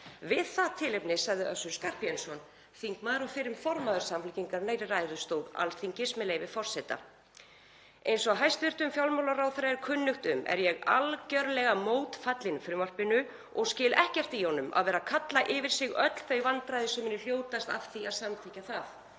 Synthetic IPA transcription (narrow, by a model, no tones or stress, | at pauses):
vɪðθaðt̪ʰɪːlejpnɪsaɣðɪʔœ̰sʏ̥skar̥piɛnsɔn | θiŋkmaðɾɔfɪɾɪmfɔɾmaðʏɾ̥samflʏciŋkaɾneːjɾɪrajɾʏst̪oːwða̰lθiŋcɪsmɪlejvɪfɔr̥sɛt̪a̰ | ejnsɔaɦajst̪vɪr̥t̪ʏmfjawlmawlaraːwθɾajɪɾkʰʏnːʏxt̪ʏmʔɛ̰ɾjɛɣalcœɾlɛɣamoːwt̪fat̪lɪnfɾʏmar̥pɪnʏ | ɔɣscɪːlɛhcɛr̥t̪ihɔnʏma̰ðvɛːɾakʰat̪laʔɪvɪɾ̥sɪɣœt̪l̥θejvant̪ɾajðɪsʏmɪnːʏl̥joːwt̪ast̪a̰v̥θiaðsamt̪ʰehcaθaθ